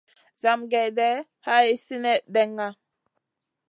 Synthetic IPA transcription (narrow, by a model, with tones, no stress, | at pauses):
za˨mɡe˨de˦ | ha˦i˦si˦ne˦de˦ŋːa˦